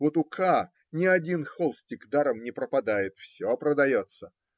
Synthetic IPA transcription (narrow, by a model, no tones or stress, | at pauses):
vo̞t̪ʊkʰa | nʲɪɐdʲinxolˠsʲtʲɪkd̪aɾəmnʲɪpɾəpɐd̪ajɪt̪fsʲopɾəd̪ɐjo̞t̪sə